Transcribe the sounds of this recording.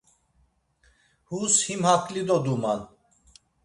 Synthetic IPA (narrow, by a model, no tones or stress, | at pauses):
hushimhakʼlid̪ɔd̪umal